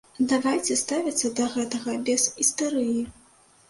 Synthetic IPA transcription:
d̪avajt͡sʲɛst̪avʲɐt̪sːɐd̪ɐɣɛt̪ɐɣɐbʲɛzʲist̪aɾɨji

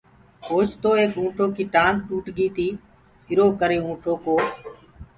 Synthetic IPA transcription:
hoːt͡ʃt̪oːeːkũːʈʰoːkiːʈãːŋk̚ʈuːʈɠiːt̪iː | ɪɾoːkəɾeːũːʈʰoːkoː

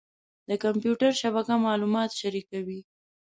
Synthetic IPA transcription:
d̪̥əkampjuʈaɾʃaβakamɑlumɑt̪ʃaɾikawi

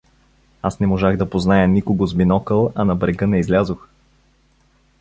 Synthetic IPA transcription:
asnɛmoʒaɣd̪ɐpoznajənikoɡozminɔkəlˠɐnɐbɾɛɡɤnɛizlʲazox

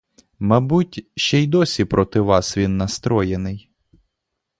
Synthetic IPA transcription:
mɐbutʲʃt͡ʃɛjd̪ɔsʲipɾɔt̪ɪʋɑsʋʲinːɐst̪ɾɔjenɪj

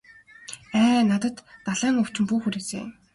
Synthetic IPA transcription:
æːnat̪ə̆t̪ːaɮæːŋʊw̥t͡ɕɪ̆mpuːxuɾeːsḛ

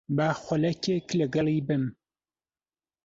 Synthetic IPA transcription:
baːxʷʊlɐkʲʰeːklɨɡɐlˠiːbɨm

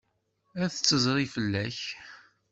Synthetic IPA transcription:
æθət͡sːəzˤɾˤifəlːæç

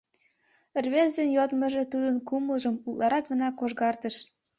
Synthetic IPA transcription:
ə̆rβezd̪enjod̪mə̆ʒe̽t̪ud̪ə̆nkuməlʒəmullɑɾɑk̚ɡə̆nɑkoʒɣɑrt̪ə̆ʃ

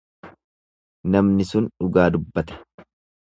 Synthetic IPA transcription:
nɐmnɪsʊnᶑʊɡaːd̪ʊbːɐt̪ɛ̥

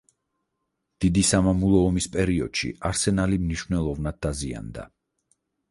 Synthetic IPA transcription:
d̪̥id̪isamamulˠɔːmispʼɛɾiɔ̰d̪̥ʃḭaɾsɛnalimniʃvnɛlˠɔvnad̪̚ːazia̰nd̪a̰

